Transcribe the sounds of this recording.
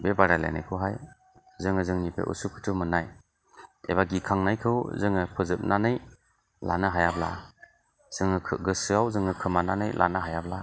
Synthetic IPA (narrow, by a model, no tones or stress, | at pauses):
bebaɾalḛna̰jkʰɯwɦaj | zɯŋɯzɯŋnipʰḛʔṵsukʰɯ̥tʰumɯnaj | ebaɡikʰaŋnajkʰɯwzɯŋɯpʰɯzɯp̚nanɯj | la̰nɯɦajabla̰ | z̥ɯŋɯɡɯsɯawzɯŋɯkʰɯmananɯjlʔa̰naɦajabla